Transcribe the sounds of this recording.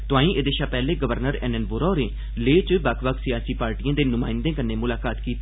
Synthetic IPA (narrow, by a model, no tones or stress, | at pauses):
t̪ʊãːĩːʔeːd̪eːʃaːpɛːleːɡəʋəɾnəɾɛ̰ːnɛːnboːɾɔːnẽː | leːt͡ʃbakʰbəksɪjaːsiːpaːɾʈijãːd̪eːnʊmaːɪ̃nd̪ẽːkənːeːmʊlaːkaːt̪kiːt̪ː